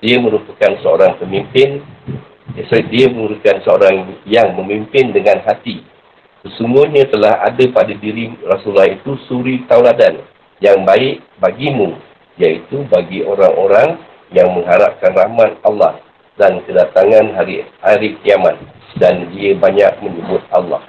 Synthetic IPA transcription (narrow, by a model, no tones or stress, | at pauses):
diəmə̃ɾupakansəo̰ɾaŋpəmĩmpɪn | s̚diaməŋuɾukansəoɾaŋjaŋməmimpɪndəŋãnɦat̪i | səsuŋɡuhɲãt̪əlaha̰dapadadiɾirasulːahit̪usuɾit̪awladan | jaŋbaɪʔ | baɡimũ | jait̪ubaɡiʔoɾaŋoɾaŋ | jaŋmə̃ŋɦaɾa̰p̚kanrahmat̪̚alːɑh | dankədat̪aŋãnɦaɾihaɾikiamat̪̚ | dandiəbaɲa̰ʔ̚mə̃ɲəbʊt̪̚alːɑ̰h